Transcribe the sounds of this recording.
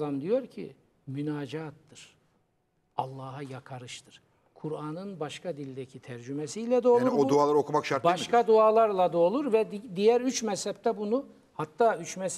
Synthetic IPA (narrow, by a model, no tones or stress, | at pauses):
amd̪ijo̞ɾcʰḭ | mynaːd͡ʒaːt̪ːɯɾ̥ | alˠːaːɦajakʰaɾɯʃt̪ʰɯɾ̥ | kʰuɾaːnɯnbaʃkʰad̪ilʲd̪ɛcʰit̪ʰæɾd͡ʒymɛsijlʲɛd̪o̞ːlˠɾod̪uaːlˠaɾokʰumakʃaɾt̪baaʃkad̪uaːlˠaɾlˠad̪o̞ːlˠuɾvɛd̪ijæɾyt͡ʃmɛshɛp̚t̪ʰɛbunu | hat̪ːaːyt͡ʃmɛs